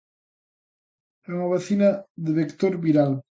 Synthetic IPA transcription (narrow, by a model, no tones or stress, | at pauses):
ɛuŋɐβaθinɐðeβekt̪oɾβiɾal